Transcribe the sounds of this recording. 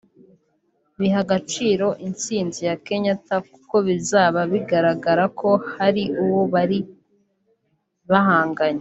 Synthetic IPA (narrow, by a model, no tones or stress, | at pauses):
βiɦaɡat͡ʃiːɾo̞ʔint͡siːnzijake̞ɲataku̥ko̞βizaːβaβiɡaɾaɡaɾako̞haɾiʔuwoβaɾi | βaɦaːŋɡaɲe